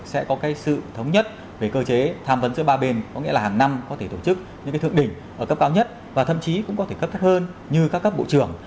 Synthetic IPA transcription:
sɛ̰˧˥kɔ˨˦kaː˨˦jsɨ̰˧˨t̪ʰə˨˦wŋ͡mɲə˦˥t̚ | ve˨˩kəː˧t͡ɕe˨˦t̪ʰaː˧mvə˨˦nzɨ̰˧˥ɓaː˧ɓe˧nkɔ˨˦ŋḭ˧˥əlaː˨˩haː˨˩ŋna˧mkɔ˨˦t̪ʰe˧˩t̪o˧˩t͡ɕɨ˦˥k̚ɲɨ̰˧˥kaː˨˦t̪ɨ˧˨ə˨ɗï˧˩ŋ̟ʔəː˧˩kə˦˥p̚kaː˨˦wɲə˦˥t̚ | vaː˨˩t̪ʰə̰˧˨mt͡ɕi˨˦kʊ̰˧˥ŋ͡mkɔ˨˦e˧˩kə˦˥p̚t̪a˦˥k̚həː˧n | ɲɨ˧kaː˦˥kːə˦˥p̚ɓo̰˧˨t͡ɕɨ˧˩əŋ

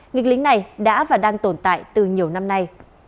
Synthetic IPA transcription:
ŋi˨˩k̚li˨˦ŋna˨˩jɗa̰ː˧˥vaː˨˩ɗaː˧ŋt̪o˧˩nt̪a̰ː˧˨jt̪ɨ˨˩ɲi˨˩əwna˧mna˧j

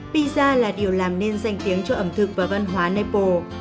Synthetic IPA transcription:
ɓi˧zaː˧laː˨˩ɗi˨˩əwlaː˨˩mne˧nza˧˩jŋ̟t̪i˨˦əŋt͡ɕɔ˧ʔə˧˩mt̪ʰɨ˨˩k̚vaː˨˩va˧nɦwaː˨˦ne˧po˧˩

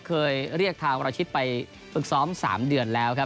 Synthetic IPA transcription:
kʰɤː˧jɾi˥˩ək̚t̪ʰaː˧ŋ˧ɾa˧wt͡ɕʰi˦˥t̪̚pa˧j | fɯ˨˩k̚sɔː˦˥msa̰ː˩˦mdɯ˧˩ənlɛː˦˥wkʰa˦˥

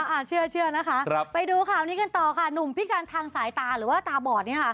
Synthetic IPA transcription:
a˧ʔa˧˩t͡ɕʰɯ˥˩ɐt͡ɕʰɯ˥˩ɐna˦˥kʰa˦˥ʔ̚pa˧jduː˧kʰaː˨˩wniː˦˥ka˧nt̪ɔː˨˩kʰa˥˩nu˨˩mpʰi˦˥kaː˧nt̪ʰaː˧ŋsaː˩˦jt̪aː˧ɾɯː˩˦waː˥˩t̪aː˧bɔː˨˩t̪̚niː˥˩ɐkʰa˥˩

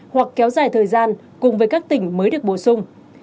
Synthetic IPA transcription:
hwa˨˩kːɛ˨˦wzaː˨˩jt̪ʰəː˨˩jzaː˧n | kʊ˨˩ŋ͡mvəː˨˦jkaː˦˥k̚t̪ï˧˩ŋ̟məː˨˦jɗɨ˨˩ək̚ɓo̰˧˩sʊ˧ŋ͡m

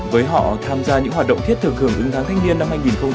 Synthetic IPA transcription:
vəː˨˦jɦɔ̰˧˨t̪ʰaː˧mzaː˧ɲɨ̰˧˥ŋɦaː˨˩t̚ɗə̰˧˨wŋ͡mt̪ʰi˥t̪ʰɨ˨˩k̚hɨ˧˩əŋʔɨ̰˨˦ŋt̪ʰaː˨˦ŋt̪ʰjŋ̟ni˧ənːa˧mhaː˧jŋi˨˩nxə˧wŋ͡m

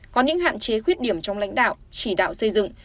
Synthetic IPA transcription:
kɔ˨˦ɲɨ̰˧˥ŋha̰ː˧˨nt͡ɕe˨˦xwi˦˥ət̚ɗi˧˩əmt͡ɕɔ˧wŋ͡mla̰˧˥jŋ̟ɗa̰ː˧˨wt͡ɕi˧˩ɗa̰ː˧˨wsə˧jzɨ̰˧˨ŋ

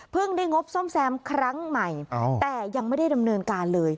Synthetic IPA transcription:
pʰɯ˥˩ŋda˥˩jŋo˦˥p̚so˥˩msɛː˧mkʰɾa˦˥ŋma˨˩jt̪ɛː˨˩ja˧ŋma˥˩jda˥˩jda˧mnɤː˧nkaː˧nlɤː˧j

